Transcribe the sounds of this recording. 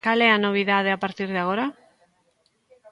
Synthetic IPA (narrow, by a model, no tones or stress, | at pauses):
ale̞anoβ̞iðaðeapaɾt̪iɾðaɣo̞ɾa